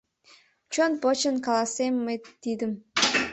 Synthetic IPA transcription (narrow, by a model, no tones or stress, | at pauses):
t͡ɕonpot͡ɕənkɑlˠɑsemːet̪id̪ɨm